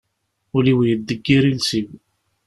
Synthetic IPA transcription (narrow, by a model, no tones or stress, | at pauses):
ʊliwjəd̪ːəɡːiɾilsiw